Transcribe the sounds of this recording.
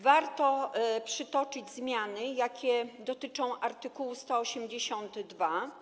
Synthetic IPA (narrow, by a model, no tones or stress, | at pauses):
vaɾt̪ɔpʂɘt̪ɔt͡ʂɘd͡ʑzmʲjanɘjakʲɛd̪ɔt̪ɘt͡ʂɔ̃w̃ʔaɾt̪ɘkuwst̪ɔːɕɛmd͡ʑeɕɔnt̪d̪va